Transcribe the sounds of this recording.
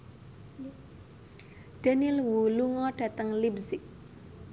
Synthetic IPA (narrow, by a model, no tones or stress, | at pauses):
d̥a̤nilwuluŋɔɖ̥ä̤t̪əŋlibsɪk̚